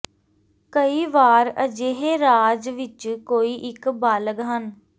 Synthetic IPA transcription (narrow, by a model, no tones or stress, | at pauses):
kəiːʋaːɾəd͡ʒeːɦeːɾaːd͡ʒʋɪt͡ʃkoːiːʔɪkbaːləɡɦən